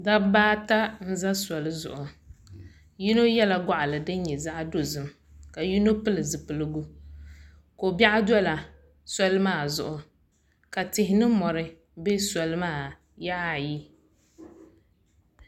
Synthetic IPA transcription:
da˦baː˦ta˦n̩˦za˦sɔ˨lɨ˦zʊ̰˨ʔʊ˨ | ji˦no˦jɛ˦la˨ɡa˦ʔa˨lɨ˨dɨ˦ɲ˦ɲɛ˨za˦ʔdo˨zɨ˨m | ka˨ji˦no˦pɨ˦lɨ˨zɨ˨pɨ˨lɨ˦ɡu˦ | ko˨ba˦ʔa˦dɔ˦la˨ | sɔ˦lɨ˦maː˦˨zʊ˨ʔʊ˨ | ka˨tɪ˨ɦɪ˦nɨ˦mɔ˨ɾɨ˦ | be˦sɔ˨lɨ˦maː˦˨ | ja˦a˦˨ji˦

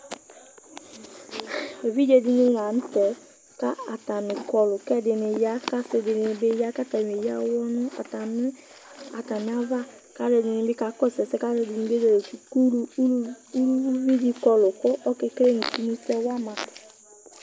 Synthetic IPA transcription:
e˨vi˦d͡ʒe˦di˦ni˦wa˨n̩˦tɛ˨ | ka˦a˨ta˨mɪ˨kɔ˦lʊ˨kɛ˦˨dɪ˨nɪ˨ja˦ka˦sɪ˨dɪ˨nɪ˨bɪ˦ja˦ka˦ta˨m˨e˨ja˦wɔ˦nʊ˦a̰˨ta˨mɪ˦ | a˨ta˨mɪ˨˦a˦va˦ | ka˦dɛ˨dɪ˨nɪ˨bɪ˦ka˨kɔ˦˨sɛ˨sɛ˦ka˦ɾɛ˦di˨˦nɪ̃˨˦be˦de˨ɾe˨tu˨ku˦ɾu˦ | u˦ɾu˦vi˦di˦kɔ˦lʊ˨kʊ˦ʔɔ˦kɪ˦kɾe˦ni˨ti˦nu˦sɛ˦wa˦ma˨t

